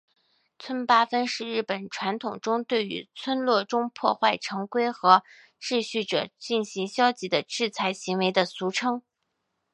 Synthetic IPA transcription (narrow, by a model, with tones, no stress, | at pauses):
t͡sʰwə˥npa˥fə˥nʂɻ̩˥˧ɻɻ̩˥˩pə˨˩nʈ͡ʂʰwa˧˥nt̪ʰʊ˨˩ŋʈ͡ʂʊ˥ŋt̪we˥˩ɪy̰˧˥t͡sʰwə˥nlwɔ˥˩ʈ͡ʂʊ˥ŋpʰwɔ˥˧xwa˥˩ɪʈ͡ʂʰɤ˧˥ŋkwe˥ɪxɤ˧˥ | ʈ͡ʂɻ̩˥˧ɕy˥˩ʈ͡ʂɤ˨˩t͡ɕi˥˩nɕi˧˥ŋɕjɑ˥ʊt͡ɕi˧˥d̪ə˧ʈ͡ʂɻ̩˥˩t͡sʰa˧˥ɪɕi˧˥ŋwe˧˥ɪd̪ə˧su˧˥ʈ͡ʂʰɤ˥ŋ